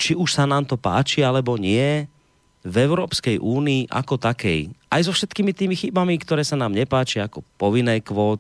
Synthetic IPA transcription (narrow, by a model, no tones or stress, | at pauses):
t͡ʃiuʃsanaːmt̪ɔpa̰ːt͡ʃialɛbɔɲɪɛ | vɛʊɾɔːpskɛjʔuːniːʔa̰kɔt̪akɛ̰jʔajzɔfʃɛt̪kiːmit̪iːmixibamikt̪ɔɾɛːsanaːmɲɛpaːt͡ʃiaakɔpɔʋinːɛːkʋɔːt̪